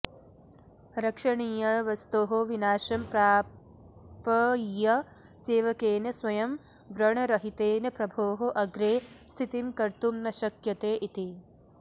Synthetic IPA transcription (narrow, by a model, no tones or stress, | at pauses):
ɾɐkʂɐɳiːjɐʋɐst̪oːɦoʋinaːʃɐmpɾaː | pɐjɐ | seːʋɐkeːnɐsʋɐjɐm | ʋɾɐɳɐɾɐɦit̪eːnɐpɾɐbʱoːɦoʔɐɡɾeːst̪ʰit̪imkɐɾt̪umnɐʃɐkjɐt̪eːʔit̪i